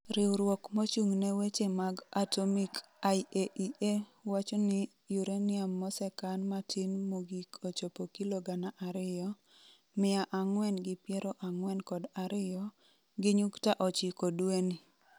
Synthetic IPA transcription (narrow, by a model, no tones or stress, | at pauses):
ɾɪwɾwɔkmot͡ʃuŋnewet͡ʃemaɡatomikaieʔiʔewat͡ʃɔnɪ | juɾenɪamːɔsɛkanmatʰinmoɡikʰot͡ʃopokiloɡanaʔaɾɪjɔ | mɪaʔaŋwɛnɡɪpjɛɾɔʔaŋwɛnkɔdaɾɪjɔ | ɡɪɲuktaʔɔt͡ʃɪkɔdweni